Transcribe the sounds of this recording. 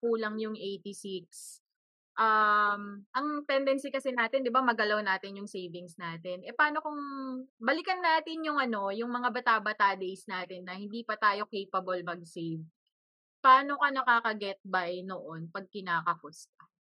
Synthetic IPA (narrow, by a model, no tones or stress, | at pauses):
kuːlɐŋjʊŋʔejt̪isiks | ʔamʔɐŋt̪ɛnd̪ɛnsɪkɐsɛnaːt̪ɪnd̪ɪbamɐɡɐlawnaːt̪ɪnjʊŋsejvɪŋsnaːt̪ɛnʔɛpaːno̞kʊŋbɐlɪkɐnːaːt̪ɪnjʊŋʔɐno̞jʊŋmɐŋabɐt̪aːbɐt̪ad̪ejsnaːt̪ɪnːɐhɪnd̪iːpɐt̪aːjo̞kejpɐbɐlmɐɡ̚sejv | paːno̞kɐnɐkaːkɐɡɛt̪̚bajnoʔonpɐɡ̚kɪnaːkɐkost̪̚ɐ